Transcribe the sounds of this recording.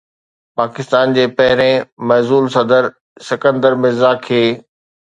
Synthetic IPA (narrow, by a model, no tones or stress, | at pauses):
paːkɪst̪aːnd͡ʑeːpɐɦɪɾẽmɛzuːlsɐd̪əɾ | sɪkə̃nd̪əɾmɪzaːkʰeː